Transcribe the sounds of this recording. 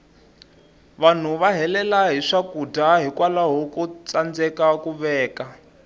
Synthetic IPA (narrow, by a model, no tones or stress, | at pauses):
βan̤uβaɦɛlɛlaɦiʂakudʱaɦikwalaɦokut͡sand͡zɛkakuβɛːka